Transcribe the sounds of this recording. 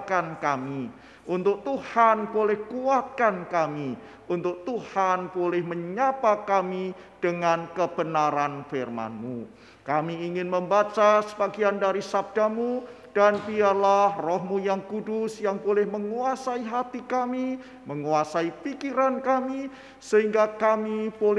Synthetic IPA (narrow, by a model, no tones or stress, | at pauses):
kankami | ʔunt̪ʊk̚t̪uhanbolɛhkuat̪̚kankami | unt̪ʊk̚t̪uhanbolɛhməɲapakami | d̥əŋankəb̥ənaɾanfɪrma̰nmu | kamiːŋɪnməmbat͡ʃasə̥baɡiandaɾisab̚d̥amu | d̥anbiarlahrɔɦmujaŋkudʊsjaŋbolɛhməŋuasaiɦat̪ikami | məŋuasaipikiɾankami | səɦiŋɡakamib̥olɛ